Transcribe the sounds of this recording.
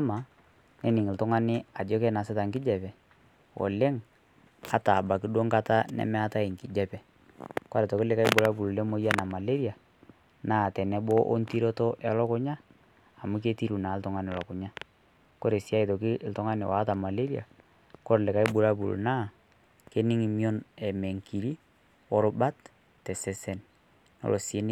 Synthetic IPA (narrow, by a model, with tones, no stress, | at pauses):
ma˨ | nɛ˦nɪ˨ŋɪ˨ltʊ˦ŋa˦nɪ˦a˨d͡ʒɔ˦kɛ˦na˨sɪ˦ta˨ŋkɪ˦d͡ʒɛ˨pɛ˨ | wɔ̰˨le˦ŋ | a˨ta˨ba˨kɪ˦do˦ŋka˦ta˦nɛ̰˨˦mɛ˦a˦ta˦ɪ˨ŋ˨kɪ˨d͡ʒɛ˦pɛ˨ | kwa˦ɾɛ˨tɔ˨kɪ˦lɪ˦ka˦i˦bʊ˦ɾa˦bu˨lu˨lɛ˦mo˦ja˦na˨ma˨le˦ɾja˨ | naː˦˨tɛ˨nɛ˦bɔ˦ʔo˦nti˦ɾo˦tɔ˦ʔɛ˨lɔ˦kʊ˦ɲaː˦˨ | mu˦k̬e˦ti˦ɾu˨na˨˦ltɔ˨ŋa˦n˨ɔ˨lɔ˨kʊ˨ɲa˦ | ko˦ɾe˨sja˦i˨tɔ˨kɪ˦ltɔ˦ŋa˦nɪ̰˨wa˨˦ta˨ma˨le˦ɾi˦a̰˨ | ko˦ɾlɪ˨ka˦i˦bu˦ɾa˦bu˨lṵ˨na˦ | ke˦nɪ˦ŋi˨mi˦ɔ˦nɛ˨mɛ˨ŋki˨ɾi˦ | ɔ˦ɾba˦t | tɛ˨sɛ˨sɛ˦n | nɔ̰˨lʔo˨se˦n˦